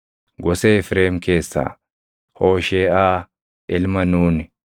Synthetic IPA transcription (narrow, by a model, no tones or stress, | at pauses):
ɡɔseːɪfɾeːmke̞ːsːa̰ː | hoːʃeːaː | ɪlmɐnuːnɪ